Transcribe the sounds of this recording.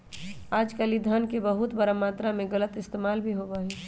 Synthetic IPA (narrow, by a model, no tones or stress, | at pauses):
aːd͡ʒkəlid̪ʱənkebəɦʊt̪bəɾamaːt̪ɾamẽɡələt̪ɪst̪eːmaːlbʱiɦobaːɦeː